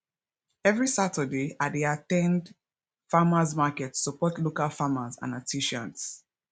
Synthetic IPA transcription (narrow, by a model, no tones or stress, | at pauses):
ɛvɹisatədeadeatɛ̃nd | famazmakɛtsupɔtlokalfamazã̰natʰiʃãnts